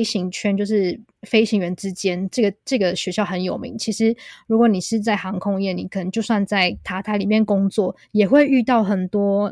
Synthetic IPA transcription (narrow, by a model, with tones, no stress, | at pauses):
ɪɕi˧˥ŋt͡ɕʰɥɛ˥nt͡ɕjo˧ʊʂɻ̩˥˩ | fe˥ɪɕi˧˥ŋɥɛ˧˥nʈ͡ʂɻ̩˥t͡ɕjɛ˥nʈ͡ʂɤ˥˩ɡə˩ʈ͡ʂɤ˥˩ɡə˩ɕɥɛ˧˥ɕjɑ˥˩ʊxə˧˥njo˨˩ʊmḭ˧˦ŋt͡ɕʰi˧˥ʂɻ̩˧˦ɻu˧˥kwɔ˧˩˦ni˨˩ʂɻ̩˧˥˧t͡sa˥˩ɪxɑ˧˥ŋkʰʊ˥ŋjɛ˥˩ni˨˩kʰə˨˩nə˧˦ŋt͡ɕjo˥˧ʊswa˥˧nt͡sa˥˩ɪt̪ʰa˧˥t̪ʰa˧˥ɪli˨˩mjɛ˥˩nkʊ˥ŋt͡swɔ˥˨˩ | jɛ˨˩xwe˥˧ɪy˥˧t̪ɑ˥˩ʊxə˨˩nt̪wɔ˥